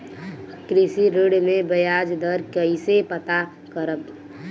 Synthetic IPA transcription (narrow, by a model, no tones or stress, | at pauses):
kɾisiɾeɽmẽbəjad͡ʒd̪ʱəɾkəisepət̪a | kəɾəb